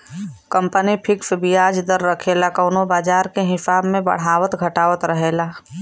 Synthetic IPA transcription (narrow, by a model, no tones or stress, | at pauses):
kə̃mpənipʰɪksbijaːd͡ʒd̪əɾːəkʰeːlakəːnobaːd͡ʒaːɾkeɦɪsaːbmẽbɐ̰ɽ̤aːwət̪ɡʱəʈaːʋət̪ɾəɦeːlaː